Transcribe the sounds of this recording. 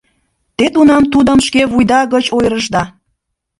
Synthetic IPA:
t̪et̪unɑmt̪ud̪əmʃkeβujd̪ɑɣət͡ɕojɾəʒd̪ɑ

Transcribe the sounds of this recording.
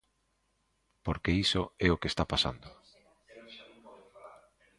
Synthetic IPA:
poɾkeisoɛokest̪apasa̰nd̪ʊ

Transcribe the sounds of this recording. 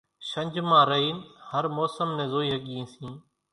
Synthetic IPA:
ʃə̃ɲʲd͡ʒmãːɾəɦiːnhəɾmoːsəmnẽːzoːiːɦəɠiĩːsĩː

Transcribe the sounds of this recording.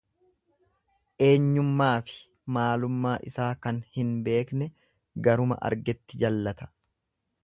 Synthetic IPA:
ʔe̞ːɲːʊmːaːfɪ̥ | maːlʊmːaːʔɪsaːkɐnhɪnbe̞ːknɛ | ɡɐɾʊmɐ̰ʔɐ̰ɾɡɛt̪ːɪd͡ʒɐlːɐt̪ɐ̥

